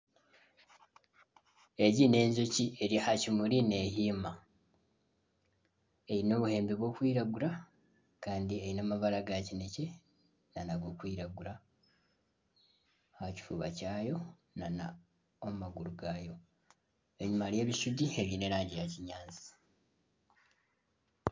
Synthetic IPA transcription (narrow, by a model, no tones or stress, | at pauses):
e̞ɟine̞ːɲzocie̞ɾihacimuɾine̞ːɦiːma | e̞ɾino̞ːβuhe̞ːmbiβwo̞ːkwiːɾaɡuɾa | kaːndie̞jinaːmaβaɾaɡacine̞ce | nanaɡokwiːɾaɡuɾa | haci̥fṵːβa̰caːjo̞ | nana | omumaɡuɾuɡaːjo̞ | eɲumaɾje̞ːβiʃudie̞βiːne̞ɾaːɲɟijaciɲaːnzi̥